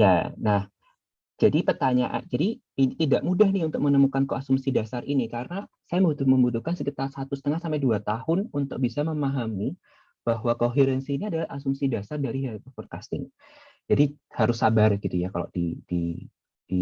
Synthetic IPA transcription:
ja̰nah | d͡ʒadipərt̪aɲaʔa̰nd͡ʒadi | init̪idaʔmudahniunt̪ʊk̚mənəmukankoasumsidasarinikarəna | sajamut̪məmbut̪uhkansəkit̪arsat̪usət̪əŋahsampaɛjduat̪ahʊnunt̪ʊk̚bisaməmaɦami | b̥aɦwakoɦeɾɛnsiːniadalahasumsidasardaɾiɦakafɔr̚kast̪ɪ̰ŋ | d͡ʒadi | haɾʊsːabarɡ̥it̪ujakalo̰d̥ḭd̥ḭ | d̥i

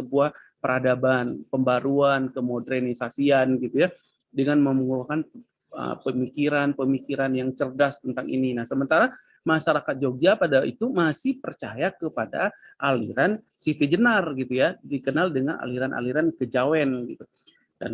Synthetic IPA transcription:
səbuah | pəɾʔadabanpəmbaɾuankəmodɾɛnisasianɡit̪uja | dəŋanməmuŋukan | ə̰pəmikiɾanpəmikiɾanjaŋt͡ʃərdast̪ənt̪aŋʔḭninasəmənt̪aɾa | maʃaɾakat̪̚d͡ʒoɡ̚d͡ʒapadaḭt̪umasɪhpərt͡ʃajakəpada̰ | ʔalḭɾan | sit̪id͡ʒənarɡit̪ujadikənaldəŋa̰nʔa̰liɾanʔa̰liɾankəd͡ʒawɛnɡit̪u | da̰n

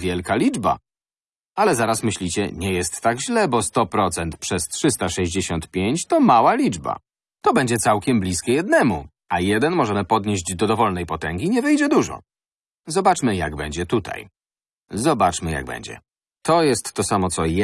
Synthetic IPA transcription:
vʲjɛlkalʲid͡ʐba̰ | alɛzaɾasmɘɕlʲit͡ɕɛ̰ɲɛjɛst̪ːaɡʑlɛbɔst̪ɔpɾɔt̪sɛnt̪pʂɛstʂɘst̪aʂɛʑd͡ʑeɕɔnt̪pʲjeɲt͡ɕt̪ɔmawalʲid͡ʐba̰ | t̪ɔbɛɲd͡ʑɛt̪sawkʲɛmblʲiskʲɛjɛd̪nɛmu | ajɛd̪ɛnmɔʐɛmɘpɔd̪ɲeʑd͡ʑd̪ɔd̪ɔvɔlnɛjpɔt̪ɛŋɡʲiɲɛvɛjd͡ʑɛd̪uʐɔ̰ | zɔbat͡ʂmɘjaɡbɛɲd͡ʑɛt̪ut̪ʰa̰j | zɔbat͡ʂmɘja̰ɡ̚bɛ̰ɲd͡ʑɛ̰ | t̪ɔjɛst̪ːɔsamɔt̪sɔj

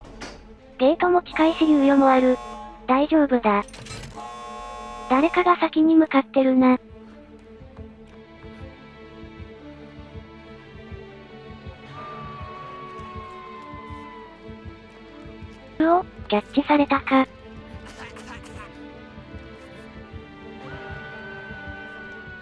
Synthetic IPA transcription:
d̪̥e̞ːt̪omo̞kʲi̥kaiɕiɲʲiɯjo̞moβaɾɯ̟d̪̥aiʑo̞ːbɯ̟d̪a | d̪̥aɾe̞kaɡasakʲiɲ̟imɯ̟kat̪ːe̞ɾɯ̟na | ɯ̟oɡʲatːisaɾe̞t̪aka

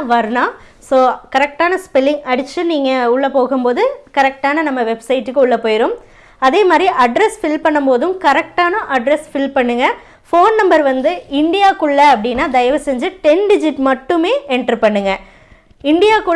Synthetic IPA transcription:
ʋɐɾɯnãː | soːkɐɾɛk̚ʈaːnɐspɪlːɪŋɐɽɯt͡ʃːɯniːŋɡɐʊɭːɐpoːɣɯmpoːðɯkɐɾɛk̚ʈaːnɐnɐmːɐʋɛbsɐɪʈːɯkːɯʊɭːɐpoːjɪɾoːm | ɐðeːmaːd̪ɾiʔɐɖɾɛsfɪlpɐɳːɯmpoːðɯmkɐɾɛk̚ʈaːnɐ̃ʔɐɖɾɛsfɪlpɐɳːɯŋɡɐ | foːnnɐmbɐɾʋɐnd̪ɯɪɳɖɪjaːkʊɭːɐɐpːɐɽɪnːaːd̪ɐjʋɐsɛɲd͡ʒɯʈɛnɖɪd͡ʒɪʈmɐʈːɯmeːɛɳʈɾipɐɳːɯŋɡɐ | ɪɳɖɪjaːkʊ

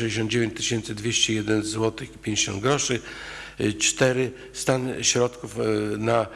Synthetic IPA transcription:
ɛd͡ʑeɕ̬ɔnd̪̚d͡ʑevʲjẽɲt͡ɕt̪ːɪɕɛnt̪sɨd̪vʲjeɕt͡ɕɛjɛd̪ɛnzwɔt̪ɘxipʲjẽɲd͡ʑeɕɔ̰̃nd̪ɡɾɔʂɘ | t͡ʂt̪ɛɾɘ | st̪anɕɾɔt̪kufna

